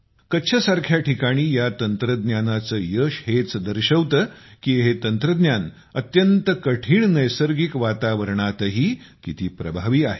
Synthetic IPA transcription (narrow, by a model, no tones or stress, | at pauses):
kət̪ːɕʰəsaɾkʰjaʈʰikaɽ̃iːjat̪ənt̪ɾəd̪njanat͡səːjəɕɦet͡sd̪əɾɕəʋt̪əkiɦet̪ənt̪ɾəd̪njan | ət̪jənt̪əkəʈʰiːɳnəjsəɾɡikʋat̪aʋəɾɳat̪əɦiː | kit̪iːpɾəbʱaʋiːaɦe